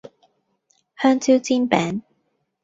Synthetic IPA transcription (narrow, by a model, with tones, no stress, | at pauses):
hœː˥ŋt͡si˥wt͡siː˥npɛː˨˥ŋ